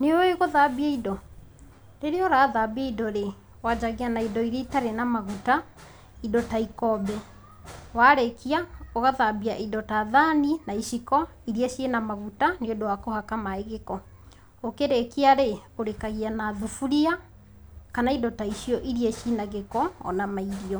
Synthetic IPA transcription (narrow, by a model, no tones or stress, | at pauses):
neoeɣoðabiaidɔ | ɾeɾeɔɾaːðabiaidɔɾe | wad͡ʒaɣianaidɔiɾeitaɾenamaɣuta | idɔtaikɔbɛ | waɾekiaoɣaðabiaʔidɔtaðaninaiʃikɔ | iɾieʃenamaɣutaneodowakohakamaeɣekɔ | okeɾekiaɾeoɾekaɣianaðufuɾia | kanaidɔtaiʃiɔʔiɾieʃinaɣekɔɔ̰namaiɾiɔ